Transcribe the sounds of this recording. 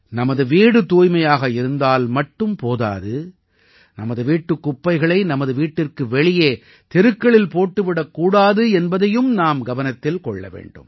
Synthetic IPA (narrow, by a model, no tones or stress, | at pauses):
nɐmɐðɯʋiːɽɯt̪uːjmɐjaːɣɐɪɾɯnd̪aːlmɐʈːɯmpoːða̰ːðɯ | nɐmɐðɯʋiːʈːɯkːʊpːɐɪɣɐɭɐɪnɐmɐðɯʋiːʈːɪrkɯʋɛɭɪjeː | t̪ɪɾɯkːɐɭɪlpoːʈːɯʋɪɽɐkːuːɽaːðɯɛnbɐðɐjɯmnaːmɡɐʋɐnɐt̪ːɪlkɔɭːɐ̰ʋḛːɳɖɯ̰m